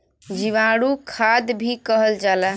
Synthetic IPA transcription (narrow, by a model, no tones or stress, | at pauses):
d͡ʒiʋaɽukʰad̪bʱikəɦəld͡ʒala